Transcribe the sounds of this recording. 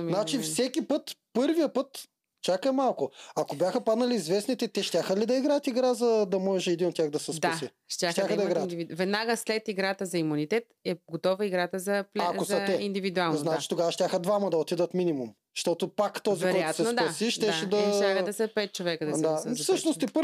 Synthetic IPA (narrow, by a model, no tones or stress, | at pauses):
mnat͡ʃifsɛkʲipɤt̪pɤɾvijəpɤt̪ | t͡ʃakəmalˠkʊɐkobʲjaxəpad̪nɐliːzvɛsnit̪ɛt̪ɛʃt̪ʲaxəlid̪ɐiɡɾajət̪iɡɾazɐd̪ɐmɔʒɛɛd̪inot̪ːʲjaɣd̪ɐsɛsdp̪ɐasi | ʃt̪jaxt̪ʲaxəd̪ɐiɡɾaivivɛd̪naɡəslɛt̪iɡɾat̪əzɐimunit̪ɛt̪ɛɡot̪ɔvəiɡɾat̪əzɐplaozɐt̪ɛind̪ivid̪ualˠnznat͡ʃi̥t̪oɡavɐʃt̪ʲjaxəd̪vamɐd̪ɐot̪id̪ət̪minʲimum | ʃt̪ɔt̪opakt̪ɔzivɛɾɛatsɛd̪ɐsiʃt̪ɛaɛd̪ɐʃʲaxəd̪ɐsɛpɛt̪̚t͡ʃovɛkəd̪ɐsd̪aɛsɤʃnost̪ipə